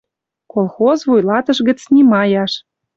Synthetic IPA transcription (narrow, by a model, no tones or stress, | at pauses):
kolˠxozvujlɑt̪ə̆ʃɣə̆t͡snimɑjɑʃ